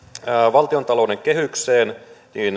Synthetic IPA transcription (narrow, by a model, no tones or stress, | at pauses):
ʋɑlt̪io̞nt̪ɑlo̞ude̞ŋkeɦykseːnniːn